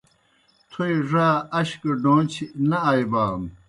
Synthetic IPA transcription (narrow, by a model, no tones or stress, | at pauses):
t̪ʰojʐaːɐɕkɐɖõːnt͡ɕʰinɐajbaːm